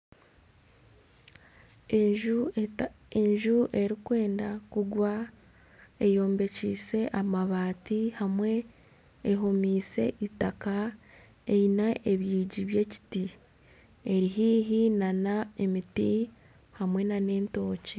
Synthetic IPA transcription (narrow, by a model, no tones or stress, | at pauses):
eɲʒuʔe̞ɾikwe̞ːndakuɡwa | ejo̞ːmbe̞cḭːse̞ʔamaβaːtihamwe̞ː | ɦomiːse̞̰ʔitaka | einaʔeβiːɟiβje̞ci̥ti | e̞ɾiɦiːɦinanaemiti | hamwe̞nane̞ːnto̞ːce